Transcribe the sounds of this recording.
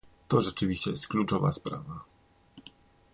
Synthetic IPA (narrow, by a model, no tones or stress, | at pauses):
t̪ɔʐɛt͡ʂɘvʲiɕt͡ɕɛjɛst̪̚klut͡ʂɔva̰spɾa̰va